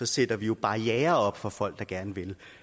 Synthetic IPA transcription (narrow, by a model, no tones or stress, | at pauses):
ɒ̽sed̥ɐʋijo̝b̥ɑ̈jɛːɐɒ̽b̥fɒ̽fɒ̽l̰ɡ̥̚d̥ɑ̈ɡ̥æɐnəʋe̝l